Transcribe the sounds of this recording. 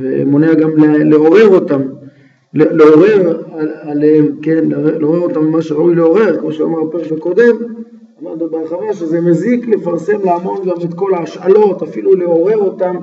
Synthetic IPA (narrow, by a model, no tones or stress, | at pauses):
vḛmo̞neaɡamleleo̞ʁe̞ʁo̞t̪am | leleo̞ʁe̞ʁaalemkenleeleoʁeʁo̞t̪amemaʃeoileo̞ʁe̞ʁkmo̞ʃea̰maʁpeʁekbeko̞d̪e̞m | amaʁdnobeaχavaʃezemezikle̞faʁse̞mleamo̞nɡamet̪ko̞laaʃalo̞tafiluleo̞ʁe̞ʁo̞tam